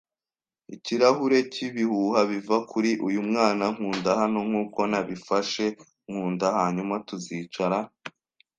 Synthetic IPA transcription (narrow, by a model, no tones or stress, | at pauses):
iciɾahuɾe̞ciβihuhaβivakʰuɾiʔujumŋaːnaŋ̥huːndahano̞ŋ̥huːko̞naβifaʃe̞ | ŋ̥huːndahaːɲumatuziːt͡ʃaɾa